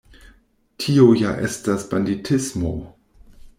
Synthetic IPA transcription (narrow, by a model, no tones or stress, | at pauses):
tʰiojaʔḛstasbanditʰismo